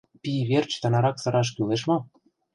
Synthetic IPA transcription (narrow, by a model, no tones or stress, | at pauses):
piβert͡ɕt̪ɑnɑɾɑksɤ̆ɾɑʃ̬kyleʃ̬mɑ